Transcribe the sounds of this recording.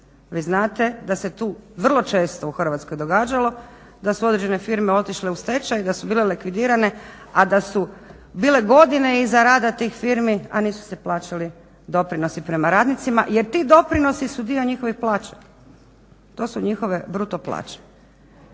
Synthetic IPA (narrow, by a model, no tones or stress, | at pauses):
ʋiːznaːt̪e̞d̪aset̪uːʋr̩lˠo̞t͡ʃe̞ːst̪ouxr̩ʋat̪skojd̪o̞ɡaːd͡ʒalˠo̞ | d̪asuo̞d̪ɾed͡ʒene̞fiɾmeo̞t̪iʃle̞ust̪e̞t͡ʃajd̪asubiːlelikʋid̪iːɾane̞ad̪asu | biːle̞ɡo̞d̪ine̞izaɾaːd̪at̪iːxfiɾmia̰niːsu̥se̞plˠaːt͡ʃali | d̪o̞pɾino̞sipɾe̞maɾaːd̪nit̪simaʔje̞ɾt̪iːd̪o̞pɾino̞sisud̪io̞ɲixo̞ʋixplˠaːt͡ʃḁ | t̪o̞ːsuɲixoʋe̞bɾut̪o̞plˠa̰ːt͡ʃe̥